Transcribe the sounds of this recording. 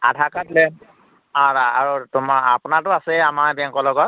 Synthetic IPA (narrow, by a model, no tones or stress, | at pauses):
a̰dʱakatlɛn | ɔ̃aaɹutʊmaa̰pʊnatʊasɛamaɹbɛŋkɔlɔɡɔt